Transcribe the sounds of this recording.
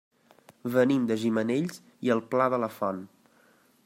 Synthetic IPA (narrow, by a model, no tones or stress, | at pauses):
βənimd̪əʒiməneʎz | iəlˠplaðələfɔn